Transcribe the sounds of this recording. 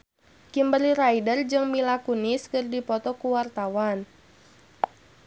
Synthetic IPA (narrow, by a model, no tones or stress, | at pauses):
kimbəliɾaidərd͡ʒɨŋmilakunɪskɨrdipɔt̪ɔkuwart̪awan